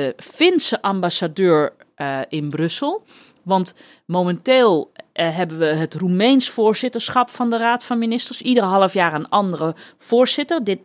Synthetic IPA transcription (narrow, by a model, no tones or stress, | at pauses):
əfɪnsəʔambasadøːɹ | ɪnbrøsəl̩ˠ | ʋɑnt | momɛnteːlˠɦɛbənʋəɦətrumejnsfoːɹsɪtəɹsxɔpfɔndəraːtfɔnminɪstərsidərəɦɑlˠəfjaːrənɔndərə | foːɹsɪtərdɪt